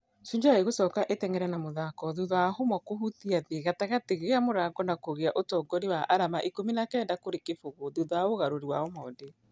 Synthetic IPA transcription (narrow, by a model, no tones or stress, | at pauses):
suɲd͡ʒaeɣosɔːkaʔetɛŋɛɾɛnamoðakɔðuðɔahomɔkohuθiaðeɣataɣateɣeamoɾaɡɔnakoɣeaʔotɔːɡɔɾiwaʔaɾamaʔikominakɛːndakoɾekefoɣoðuðɔaoɣaɾoɾiwaɔmɔːnde